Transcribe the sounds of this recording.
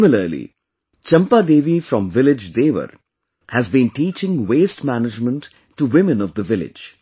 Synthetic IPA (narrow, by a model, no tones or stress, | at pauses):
mɪləɾlḭ | t͡ʃʌ̃mpad̪eːʋifɾɔ̃mʋɪlɪd͡ʒd̪eːʋə̰ɾ | hæzbĩnʈiːt͡ʃɪ̃ŋweːsʈmænɪd͡ʒmə̃ntː | uwɪmɨ̃nɔvd̪əʋɪlɪ̰d͡ʒ